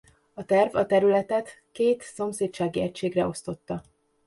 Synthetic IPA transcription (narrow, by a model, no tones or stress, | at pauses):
ɒt̪ɛrvɒt̪ɛɾylɛt̪ɛt̪ | keːt̪so̞mseːt̪t͡ʃaːɡiɛcʃeːɡrɛo̞st̪o̞t̪ːɒ